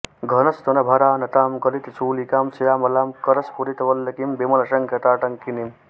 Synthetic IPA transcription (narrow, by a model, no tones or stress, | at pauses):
ɡʱɐnɐst̪onɐbʱɐɾaːnɐt̪aːmɡɐlit̪t͡sʰuːlikaːmsɐjaːmɐlaːmkɐɾɐspuɾit̪ɐʋɐlːɐkimbemɐlɐʃɐŋkʰɐt̪aːʈɐŋkinim